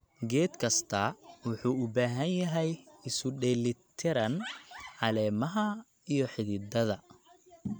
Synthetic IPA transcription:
ɡɛːd̪kʰɐst̪ʰɐwʊħuːʊbaːɦɐnjɐɦɛjɪsʊɖɛːlɪt̪ʰɪɾɐnʕɑlɛːmɐɦɐ | ijɞħɪðɪd̪ɐðɐ

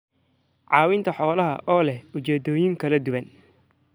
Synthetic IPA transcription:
ʕɑːwɪnt̪ʰɐħɔːlɐɦɐ̰ʔɔːlɛhʊt͡ʃɛːd̪ɔːjɪŋkʰɐlɐd̪ʊβɐn

